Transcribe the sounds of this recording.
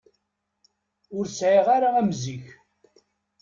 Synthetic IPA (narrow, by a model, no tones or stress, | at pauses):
ʊɾsʕiʁaɾaæmziç